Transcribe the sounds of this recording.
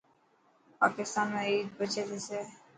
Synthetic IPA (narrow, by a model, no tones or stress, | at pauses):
pa̰ːkɪst̪aːnmeiːd̪̚bət͡ʃed̪ese